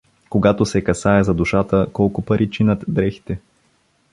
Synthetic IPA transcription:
koɡat̪oʊsɛkɐsaɛzɐd̪uʃat̪əkɔlˠkʊpɐɾʔit͡ʃinət̪d̪ɾɛxt̪ɛ

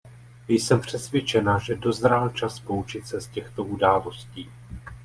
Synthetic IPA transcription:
jsɛmpr̝̥ɛsvjɛt͡ʃɛnaʒɛdo̞zɾalt͡ʃaspo̞ut͡ʃɪt̪sɛscɛxt̪o̞ʔudaːlo̞sciː

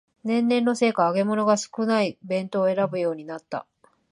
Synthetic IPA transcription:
nẽ̞nːẽ̞nːo̞se̞ːkaːɡe̞mo̞no̞ɡasɨ̥kɯ̟naibẽ̞nt̪o̞ːe̞ɾabɯ̟jo̞ːɲ̟inat̪ːa̰

